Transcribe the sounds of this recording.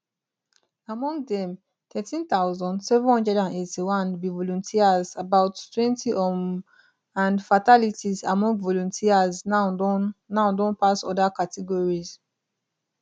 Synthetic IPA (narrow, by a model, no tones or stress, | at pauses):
amɔ̃ŋɡdɛ̃m | t̪ɛtĩnt̪aʊzɔ̃ndsɛvɔ̃nɔ̃ndɛdãnetiwãnbivɔlɔ̃ntʰiazabaʊttwɛ̃ntʰiʔɔm | ãnfatalitiza̰mɔ̃ŋɡvɔlɔ̃ntʰiazna | naʊdɔ̃npasɔ̰dakatɛɡɔɹiz